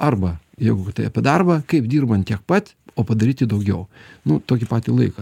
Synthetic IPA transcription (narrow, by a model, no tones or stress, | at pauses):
ɐrbɐ | jɛɪɡʊkʲt̪ɐɪɐpʲɪd̪ɑrbɐkɐɪpd̪ʲiːrbɐnt̪t̪ʲiɛk̚pɐt̪ʲ | oːpɐd̪ɐɾʲiːt̪ʲɪd̪ɐʊɡʲɛʊnʊt̪oːkʲɪpɑːt̪ʲiːlˠɐɪkɐ